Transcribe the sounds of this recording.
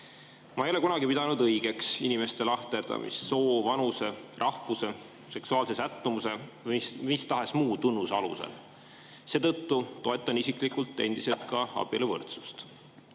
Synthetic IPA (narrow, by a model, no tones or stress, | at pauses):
mɑejole̞kunɑɡipid̪̥ɑnud̪ɤjɡ̥e̞ksinime̞st̪e̞lɑht̪e̞rd̪̥ɑ̰mʔḭsːo̞ːvɑnuse̞rʔɑhvuse̞ | se̞ksuɑːlse̞sæt̪ːumuse̞imist̪ɑɦesmuːt̪unːusɑlṵsḛl | se̞ːt̪ɤt̪ːut̪o̞e̞t̪ːˑɑnisikˑlikult̪ːˑe̞̰nd̪̥ise̞lt̪kɑɑ̰b̥ilevɤ̰rt̪su̥st̪